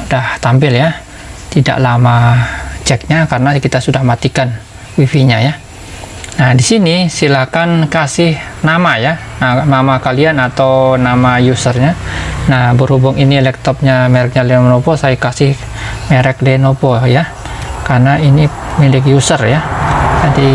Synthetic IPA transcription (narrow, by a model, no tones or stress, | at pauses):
udaht̪ampɪlja | t̪ida̰ʔlamat͡ʃɛk̚ɲakaɾənakit̪asudahmat̪ikan | wifiɲaja | nahdisinisilakankasɪhnamajananamakalianat̪awnamajusərɲanahbəɾhubʊŋinilɛk̚t̪ɔp̚ɲamɛɾɛk̚ɲalɛmanopɔsajakasɪh | meɾɛk̚dɛnopɔja | karnainimilɪk̬̚jusərjanat̪i